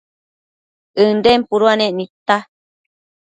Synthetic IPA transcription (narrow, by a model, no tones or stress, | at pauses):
ɨndempuɾuanẽʔnit̪a